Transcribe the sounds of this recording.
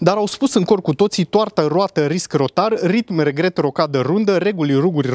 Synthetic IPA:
d̪aɾawspusɨŋko̞rkut̪o̞t̪sit̪oart̪aɾoat̪əɾiskro̞t̪arːit̪mre̞ɡɾe̞t̪ro̞kad̪əɾund̪əɾe̞ɡuliruɡurʲ

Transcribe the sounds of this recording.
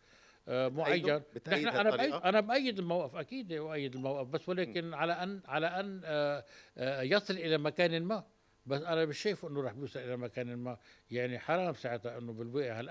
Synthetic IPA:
ʔmʊʕajːannɪħnaanajːʔanabʔajːɪd̪ɪlmawʔafʔakiːd̪ʔajːɪd̪ɪlmawʔafbasːwaleːkɪnʕalaʔanʕalaʔanː | jɑsˤɨlʔɪlamakaːnɪlmaːʔ | basːʔanabɪʃːaːfʔɪnːʊɾˤɑːħbjuːsˤɨlʔɪlamakaːnɪlmaːjaʕniħɑɾˤɑːmsaʕɪt̪haʔɪnːʊbɪlweːʔhalʔ

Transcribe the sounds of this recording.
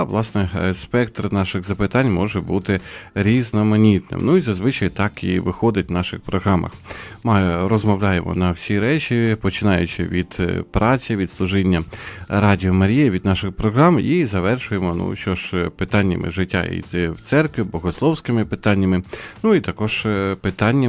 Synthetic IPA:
ʋlˠɑsnɛspɛk̚t̪rnɑʃɪɣzɐpɪt̪ɑnʲmɔʒɛbut̪ɪɾʲiznɔmɐnʲit̪nɪ̰mnuizɐzʋɪt͡ʃɐjt̪ɑkḭʋɪxɔd̪ɪtʲʋnɑʃɪ̰xpɾɔɦɾɑmɐ̰xmɑɾɔzmɔwlʲajemʔɔ̰nɐwsʲiɾɛt͡ʃʲipɔt͡ʃɪnɑjʊ̰t͡ʃɪ̰ʋʲid̪̥pɾʔɑt͡sʲɐʋʲid̪slˠʊʒɪnʲːɐɾɑdʲiɔmɐɾʲijɐʋʲid̪nɑʃɪxpɾɔɦɾɑmizɐʋɛrʃʊjemɔnṵʃt͡ʃɔʒpɪt̪ɑnʲːɐ̰mɪ̰ʒɪtʲːa̰ḭjt̪ɪwt̪sɛrkʋʲibɔɦɔslˠɔwsʲkɪmɪpɪt̪ɑnʲːɐmɪnuit̪ɐkɔʒ̥pɪt̪ɑnʲːɐ

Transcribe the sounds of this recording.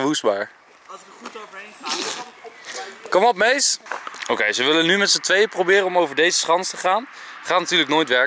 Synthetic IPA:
əʋusbaːɹ | kɔmɔp̚mejsowkejzəʋɪlənːymɛtsətʋejəprowbɪːɾənɔmowvəɹdejzəsχɑnstəχaːnχaːtnatyːɹləknoːjtʋɛɹ

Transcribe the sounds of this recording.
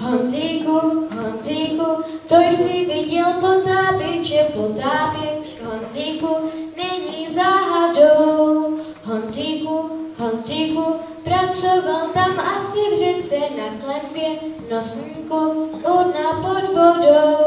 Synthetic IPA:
ɦonziːkuɦonziːkut̪ojsɪvɪɟɛlpɔt̪aːpɛt͡ʃɛpot̪aːpjɛt͡ʃ | ɦonziːkunɛɲizaːɦadow | ɦonziːkuɦonziːku | pɾat͡sovalt̪amastɛvʒɛnsɛnaklɛnbjɛnɔsŋkuʔɔdnapɔd̪vodo

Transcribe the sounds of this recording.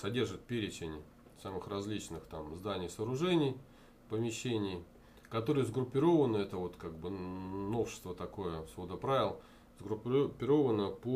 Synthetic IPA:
sɐdʲe̞rʐɨt̪̚pʲeɾʲɪt͡ɕɪnʲɪ | samɨxrɐzʲlʲit͡ɕnɨxt̪amzd̪anʲɪjsəːɾʊʐɛnʲɪj | pəmʲɪɕːenʲɪj | kɐt̪o̞ɾɨjəzɡɾʊpʲːɪɾo̞vənəɛt̪əvo̞t̪kaɡ̚bɨno̞fʂɨ̥st̪vət̪ɐko̞jəsvod̪əpɾavʲɪlˠ | zɡɾʊpʲpʲːɪɾo̞vənəpo

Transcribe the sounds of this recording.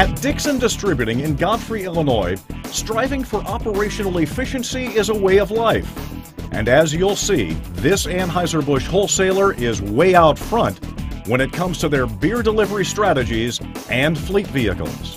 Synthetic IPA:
ɨt̚d̥ɪksɨ̃ndɨstɹ̥ɪbjʉɾɪ̃ŋɨ̃nɡɑ̃nfɹiɛlˠənɔɪstɹ̥aɪvɪ̃ŋfə˞ʔɑpə˞eɪʃɨnl̩ˠɪfɪʃɨ̃nsiɪzəweɪʌvlaɪfʔɨ̰̃nɨzjulˠsḭðɪsæ̃nɦaɪzə˞bʊʃhoʊlˠseɪlˠə˞ʔɪzweɪaʊtfɹʌ̃ntwə̃ñɨt̚kʰʌ̃mz̥tʰɨðə˞bɪɹdəlɪvə˞istɹ̥æɾɨd͡ʒizʔɨ̃nflitviɨ̰kl̩ˠz̥

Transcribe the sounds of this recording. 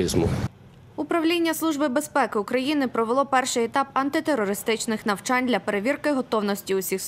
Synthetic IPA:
izmʊ̰ | ʊpɾɐwlʲinʲːɐslˠuʒbɪbe̞spɛkɪʊkɾɐjinɪpɾɔʋelˠɔpɛrʃɪjɛt̪ɑpɐnt̪ɪt̪eɾːɔɾɪst̪ɪt͡ʃnɪxnɐwt͡ʃɑnʲd̪lʲɐpe̞ɾeʋʲirkɪɦɔt̪ɔwnɔsʲtʲiʊsʲix

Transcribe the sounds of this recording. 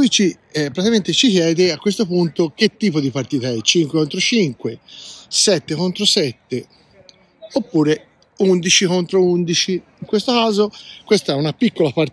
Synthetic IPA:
ujt͡ʃi | pːɾat̪iament̪et͡ʃikjɛːd̪eakːwest̪opunt̪ok̟et̪ːiːpod̪ipart̪iːt̪aɛt͡ʃiŋkwekont̪ɾot͡ʃiŋkwesɛt̪ːekont̪ɾosɛt̪ːe | opːuːɾe | und̪it͡ʃikont̪ɾound̪it͡ʃi | iŋkwest̪okaːzokwest̪aɛunapikːolapaɾ

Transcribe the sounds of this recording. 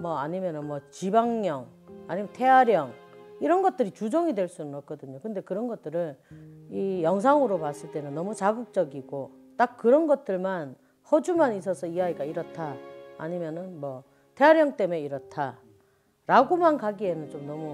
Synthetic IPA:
mʌaɲimjʌnɯnmwʌt͡ɕibaŋɲʌŋaɲimjʌntʰe̞ɦaɾjʌŋ | iɾʌnɡʌt̚t͈ɯɾit͡ɕud͡ʑʌŋidwe̞ɭs͈unɯnʌk̚k͈ʌdɯɲokɯnde̞kɯɾʌnɡʌt̚t͈ɯɾɯnijʌŋs̬ʰaŋɯɾopas͈ɯɭt͈e̞nɯnːʌmut͡ɕaɡuk̚t͡ɕ͈ʌɡiɡ̥o | t͈ak̚k͈ɯɾʌnɡʌt̚t͈ɯɭman | hʌd͡ʑumanis̬ʰʌsʰʌiaiɡaiɾʌtʰa̰ːɲimjʌnɯnmwʌ | tʰe̞ɦaɾjʌŋt͈e̞me̞iɾʌtʰa | ɾaɡomankaɡie̞nɯnt͡ɕomnʌmu

